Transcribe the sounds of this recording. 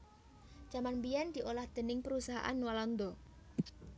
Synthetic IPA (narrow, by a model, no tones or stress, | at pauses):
d͡ʒ̥amanmbijand̥̪i̤ʔolahd̪̥ə̤nɪŋpəɾusaɦa̰ʔa̰nwalɔnd̪ɔ